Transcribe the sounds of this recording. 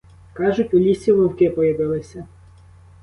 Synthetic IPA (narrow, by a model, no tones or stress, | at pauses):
kɑʒʊtʲulʲisʲilˠʊwkɪpɔjɐʋɪlˠɪsʲɐ